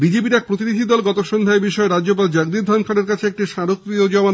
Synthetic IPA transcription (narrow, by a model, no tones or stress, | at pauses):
bid͡ʑep̬iɾɛk̚pɾot̪̬inid̪ʱid̪ɔlɡɔt̪oʃond̪ʱaebiʃɔeɾad͡ʑop̬ald͡ʑaɡd̪id̪ʱɔnkʰaɽeɾkat͡ɕʰeek̚ʈiʃaɾokɾiod͡ʑɔma